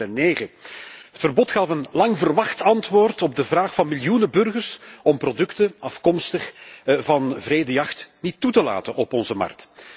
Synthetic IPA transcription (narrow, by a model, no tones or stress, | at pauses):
ɛnneːɣəɦətfərbɔtxɑfənlɑŋvərʋɑxtɑntʋoːrtɔb̚dəvraːxfɑnmɪljunəbɵrɣərsɔmprodɵktəɑfkɔmstəχvɑnvreːdəjɑxtnitːutəla̰ːtənɔpɔnzəmɑ̰rk̚t